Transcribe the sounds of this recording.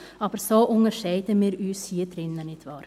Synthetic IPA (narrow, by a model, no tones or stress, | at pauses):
ɑːbəɾsoːʔʊŋəʃeɪt̪əmiːɾyːshiːd̪ɾɪnːənɪt̪ʰʋɑːɾ